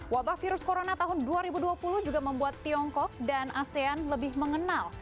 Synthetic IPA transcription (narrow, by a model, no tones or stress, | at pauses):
wabahfiɾʊskoɾonat̪aɦʊnduaɾibuduapulʊhd͡ʒuɡaməmbuat̪ːiɔŋkɔk̚danʔaseanləbɪhməŋənal